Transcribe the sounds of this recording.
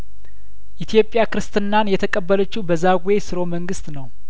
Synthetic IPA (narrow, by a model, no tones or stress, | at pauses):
ʔit̪ʰijo̞pʼːjakɨɾɨst̪ʰɨnːanjɛt̪ʰəkʼəbːələt͡ʃːubəzaɡwe̞sɨɾo̞məŋɡɨst̪nəw